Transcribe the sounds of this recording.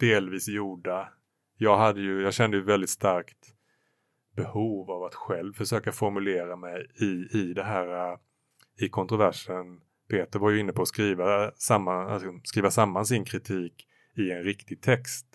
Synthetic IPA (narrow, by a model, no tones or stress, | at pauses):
d̪̥eːlviːsjuːɖa | jɑːɡɦad̪ːəjɵjɑːɡɕɛnd̪əjɵvɛld̪ɪt̪st̪aɾkt̪ | bɛhuːvavat̪ɧɛlvfœʂøːkafɔɾmɵleːɾamɛjɪɪd̪ɛɦæːɾa | ɪkʰɔnt̪ɾʊvæʂən | pʰeːt̪əɾvaɾjɵɪnːəpʰɔːskɾiːvasamːa̰skɾiːvasamːansɪnkʰɾɪt̪ʰiːk | ɪɛnɾɪkt̪ɪɡ̚t̪ʰɛkst̪